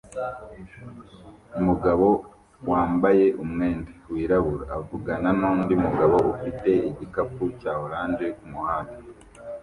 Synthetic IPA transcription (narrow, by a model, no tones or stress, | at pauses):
umuɡaβo̞ | waːmbaje̞ʔumŋe̞ːndewiːɾaβuɾaavuɡananondiumuɡaβo̞ʔufite̞iɟikapucaːhoɾaːnd͡ʒekumuhaːno